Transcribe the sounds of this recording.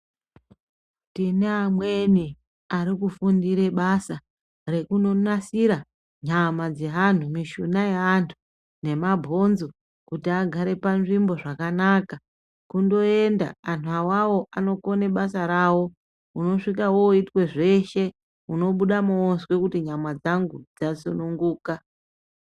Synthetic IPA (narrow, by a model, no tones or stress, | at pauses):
tineamwe̞ni | aɾikufundiɾe̞ɓasa | re̞kuno̞nasiɾa | ɲamad͡ze̞ɦan̤umiʃunajeantʰu̥ | ne̞mabʱo̞nzo | kutiaɡʱaɾe̞panʐimbo̞ʐakanaka | kundo̞e̞nda̰an̤uawawo̞ʔano̞ko̞ne̞ɓasaɾaːwo̞ | uno̞ʂikawo̞uitwe̞ʐe̞ʃe̞ | uno̞ɓuɗamoswe̞kutiɲamad͡zaŋɡud͡zasunuŋɡuːka